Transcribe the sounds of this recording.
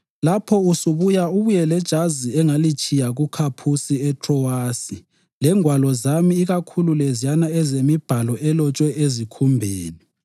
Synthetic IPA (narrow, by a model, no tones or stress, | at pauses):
lapʰɔusuβujauβujɛlɛd̥ʒ̥ʱaziɛŋalit͡ʃʼijaɣukʰapʰusiɛtʰʼrɔwaːsi | lɛŋʱwalɔzamiːɣakʰululɛzijanaɛzemib̥ʱalɔʔɛlɔt͡ʃʼwɛʔezikʰumbʱeːni